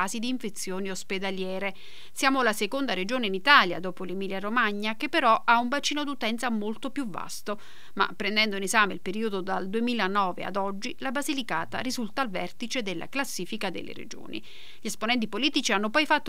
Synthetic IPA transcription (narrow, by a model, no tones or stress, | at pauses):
aːzid̪iːɱfet̪sːjoːniosped̪aljɛːɾe | sjaːmolasekond̪aɾed͡ʒoːneinit̪aːlja̰d̪oːpolemiːljaɾomaɲːak̟epːeɾɔʔauɱvat͡ʃːiːnod̪ut̪ɛnt̪samolt̪opjuvːa̰st̪o | ma̰pːɾend̪ɛnd̪oinezaːmḛilpeɾiːod̪od̪ald̪uemiːlanɔːvḛa̰d̪ɔd͡ʒːilabazilikaːt̪a̰ɾizult̪aːlvɛrt̪it͡ʃed̪elːʔa̰klasːiːfikad̪ḛlːḛɾḛd͡ʒo̰ːnḭ | ʎiesponɛnt̪̬ipoliːt̪it͡ʃianːopɔjfat̪ːo